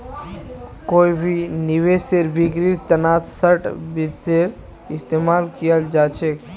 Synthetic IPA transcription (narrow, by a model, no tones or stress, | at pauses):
koibʱiniweseɾbʱikɾiɾt̪ənat̪səʈbiɾt̪eɾ | ɪst̪emalkijəld͡ʒat͡ʃʰek